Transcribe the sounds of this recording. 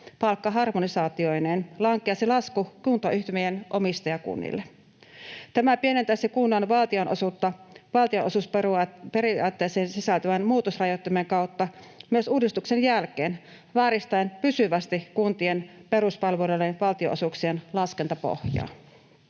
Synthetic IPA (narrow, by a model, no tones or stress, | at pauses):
pɑlkːɑɦɑrmonisɑːt̪io̞jneːnlɑŋkˑeɑsilɑskukunt̪ɑʔyht̪ymejenʔomist̪ɑjɑkṵnːḭlːe | t̪æmæpie̞net̪æsekunːɑnʋɑlt̪io̞nosut̪ːɑʋɑlt̪ioʔosuspeɾiɑːt̪ːe̞ːseːnsisælt̪øʋænmuːt̪osrɑjot̪ːɑmeŋkɑwt̪ːɑ | myøsuːdist̪ukse̞njælkeːn | ʋæːɾist̪æjnpysyʋæst̪ikunt̪ie̞npe̞ɾuspɑlʋelelːenʋɑlt̪ioʔosuksienlɑske̞nt̪ɑpo̰hjɑ̰ː